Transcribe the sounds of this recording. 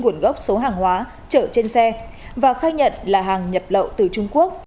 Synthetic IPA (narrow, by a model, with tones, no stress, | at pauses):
ŋu˧˩ənɣə˦˥wk͡p̚so˨˦ɦaː˨˩ŋhwaː˨˦ | t͡ɕəː˧˩t͡ɕe˧nsɛ˧ | vaː˨˩xaː˧jɲə̰˧˨nlaː˨˩ɦaː˨˩ŋɲə˨˩p̚lə̰˧˨wt̪ɨ˨˩t͡ɕʊ˧ŋ͡mku˦˥ək̚